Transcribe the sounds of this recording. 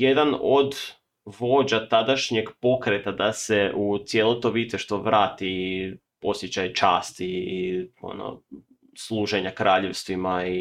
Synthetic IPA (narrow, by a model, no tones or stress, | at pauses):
jed̪anod̪ | ʋo̞d͡ʑat̪ad̪aʃɲe̞ɡpo̞kɾet̪ad̪aseut̪sjelˠo̞t̪o̞ʋit̪seʃt̪oʋɾaːt̪i | o̞sjet͡ɕajt͡ʃaːst̪i | o̰no̰ | slˠuːʒeɲakɾʔaːʎe̞ʋst̪ʋimai